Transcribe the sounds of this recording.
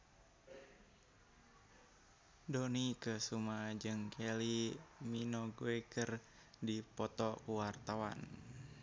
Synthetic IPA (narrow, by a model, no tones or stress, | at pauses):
donikəsumad͡ʒɨŋkʰɛliminoɡoekər | dipɔt̪ɔkuwart̪awa̰n